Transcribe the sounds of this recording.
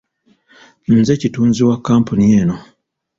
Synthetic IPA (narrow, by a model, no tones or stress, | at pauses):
n̩zecituːnziwakːaːmpunieːno